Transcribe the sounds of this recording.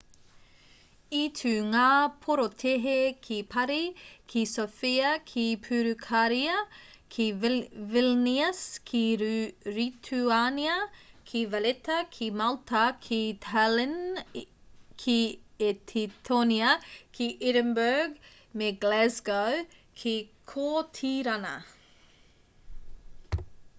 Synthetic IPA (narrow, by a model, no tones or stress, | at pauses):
itʰʉːŋaːpʰoɾot̪ʰeɦekʰipʰɐɾikʰisofiɐkʰipʰʉːɾʉkʰaɾiɐkʰivilniɐskʰiɾit̪ʰuaniɐkʰivɐlet̪ɐkʰiːmalt̪ʰɐkʰiːt̪ʰalɪn | kʰiːet̪ʰit̪ʰoniakʰiːʔɪɾəmbøɹɡ | meːɡlɛzɡowkʰiːkʰoːt̪ʰiːɾanɐ̰